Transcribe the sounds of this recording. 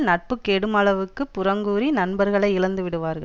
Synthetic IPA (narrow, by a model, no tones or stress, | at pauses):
nɐʈ̚pɯkːeːɽɯmɐɭɐʋɯkːɯpːʊɾɐŋɡuːɾinɐnbɐɾɣɐɭɐɪɪlɐnd̪ɯʋɪɽɯʋaːɾɣɐɭ